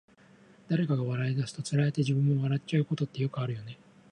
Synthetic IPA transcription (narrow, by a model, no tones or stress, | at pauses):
d̪̥aɾe̞kaɡaβaɾaid̪asɨ̥t̪o̞t͡sɨɾaet̪e̞ʑibɯ̟̃mːo̞βaɾatt͡ɕaɯ̟ko̞t̪o̞t̪ːe̞jo̞kɯaɾɯ̟jo̞ne̞